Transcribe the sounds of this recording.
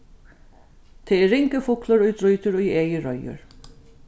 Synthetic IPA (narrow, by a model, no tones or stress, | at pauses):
t̪ʰɛɛɾːɪŋkəfʊklʊɾʊjd̪ɾʊjt̪ʏɾʊjeːjɪɾɔjʊ̰ɹ